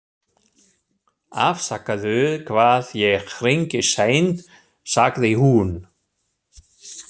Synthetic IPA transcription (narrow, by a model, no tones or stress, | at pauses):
a̰fsakːaðʏðkʰvaːðjɛxɾeɲcɪseːjnt̪ | saɣðɪihun